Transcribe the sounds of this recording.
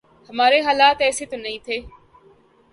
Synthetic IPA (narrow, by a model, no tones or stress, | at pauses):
hɐmaːɾeɦaːlaːt̪ɛːset̪onɐĩt̪ʰeː